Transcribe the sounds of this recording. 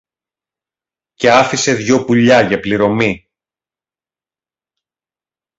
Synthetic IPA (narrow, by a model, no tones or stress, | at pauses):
ce̞ɐfise̞ðʝo̞puʎɐʝɐpliɾo̞mi